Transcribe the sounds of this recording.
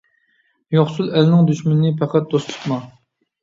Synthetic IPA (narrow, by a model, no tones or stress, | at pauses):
joχsulˠɛlnɪŋd̪yʃmɪnɪnɪpʰæqʰæt̪̚d̪̥ost̪lˠə̥χmɑ